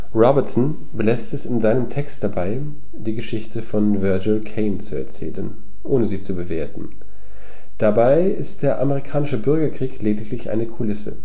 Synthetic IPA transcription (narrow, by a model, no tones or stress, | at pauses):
ʁɔbɛɐtsn̩ | bəlɛstɛsɪnzaɪnəmtʰɛkstd̥abaɪ | d̥iːɡəʃɪçtʰəfɔnvœɐd͡ʒʊlkʰeɪnt͡suɛ̰ɐt͡sɛ̰ːlən | ʔoːnəziːt͡subəveːɐtn̩ | d̥abaɪ | ɪstd̥eːɐʔameʁ̞ikʰaːnɪʃəbʏɐɡɐkʁ̥iːkleːdɪklɪçʔa̰ɪnəkʰʊlɪsə̰